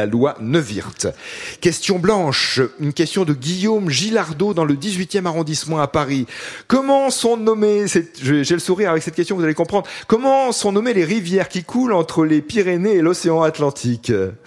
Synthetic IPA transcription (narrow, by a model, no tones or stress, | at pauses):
alwanəvḭʁt̪kʲɛst̪jɔ̃blɑ̃ʃynkʲɛst̪jɔ̃d̪əɡʲijomʒilaʁd̪od̪ɑ̃ləd̪izɥit̪jɛmaʁɔ̃d̪ismɑ̃apaʁikɔmɑ̃sɔ̃nɔmesɛʒʒɛləsuʁiʁavɛksɛt̪̚kʲɛst̪jɔ̃kvuzalekɔ̃pχɑ̃d̪ʁkɔmɑ̃sɔ̃nɔmeleʁivjɛʁkʲikʰulɑ̃t̪χəlepiʁeneːlɔseɑ̃at̪lɑ̃t̪ʰik